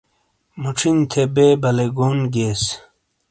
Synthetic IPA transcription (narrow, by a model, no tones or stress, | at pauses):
muʈ͡ʂʰint̪ʰebeːbɐleɡoːnɡeːs